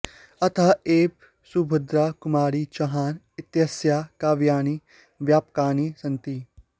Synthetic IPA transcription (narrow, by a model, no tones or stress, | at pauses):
ɐt̪ʰaːeːp | subʱʊd̪ɾaːkʊmaːɾit͡ʃɐɦaːn | ɪt̪jəsjaːkaːʋjaːniː | ʋjaːpkaːnisɐnt̪i